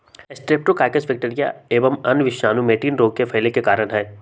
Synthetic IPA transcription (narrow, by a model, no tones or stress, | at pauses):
ɛsʈɾeːp̚ʈokaːɪkəsʋɪk̚ʈeːɾija̰eːʋəmɐnʋɪʃaːnumeːʈiːnɾoːɡ̚kefʰɐɪlekekaːɾənɦɛː